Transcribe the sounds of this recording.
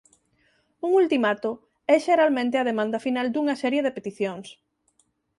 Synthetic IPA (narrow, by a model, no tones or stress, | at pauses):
uŋult̪imat̪o | ɛʃeɾalmẽnt̪eɐð̞emãnd̪ɐfinald̪uŋɐsɛɾjeðepet̪iθjoŋs